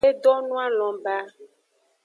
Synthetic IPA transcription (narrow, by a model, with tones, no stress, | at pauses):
e˦ɖɔ˦nũ˦a˦lɔ̃˨ba˦